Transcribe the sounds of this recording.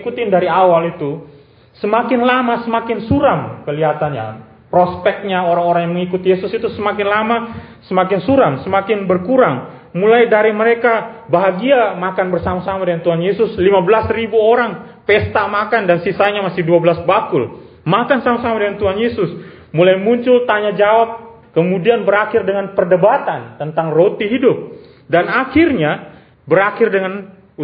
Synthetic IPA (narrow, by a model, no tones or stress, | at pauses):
ikut̪ɪndaɾiawalit̪u | səmakɪnlamasəmakɪnsuɾamkəliɦat̪anɲa̰ | pɾospɛk̚t̪̚ɲaoɾaŋoɾaŋjaŋməŋikut̪ijesʊsit̪usəmakɪnlamasəmak̬ɪnsuɾamsəmakɪnbərkuɾaŋ | mulajdaɾiməɾekabaɦaɡiamakanbərsamasamadəŋant̪uɦanjesʊslimabəlasribuoɾaŋpɛst̪amakandansisaɲamasɪhduabəlasbakʊl | makansamasamadəŋant̪uɦanjesʊs | mulajmuɲt͡ʃʊlt̪aɲad͡ʒawap̚ | kəmudianbəɾakɪrdəŋanpərdəbat̪ant̪ənt̪aŋrot̪iɦidʊp̚ | danaxɪrɲa | bəɾakɪrdəŋan